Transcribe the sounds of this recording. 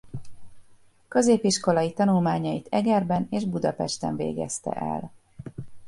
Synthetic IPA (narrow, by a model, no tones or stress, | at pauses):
kø̞zeːpiʃko̞lɒjit̪ɒnulmaːɲɒjit̪ɛɡɛrbɛneːʒbud̪ɒpɛʃt̪ɛ̰ɱvḛːɡɛ̰st̪ɛ̰ʔɛ̰l